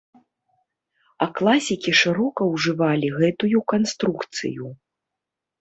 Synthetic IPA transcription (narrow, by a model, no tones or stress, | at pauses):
ɐklˠasʲikʲiʂɨɾɔkɐwʐɨvalʲiɣɛt̪ujukanst̪ɾukt̪sɨ̰ju